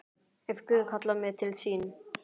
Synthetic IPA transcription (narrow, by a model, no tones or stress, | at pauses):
ɛfkʏðkʰɔt̪lamɪt̪ʰɪlsiːn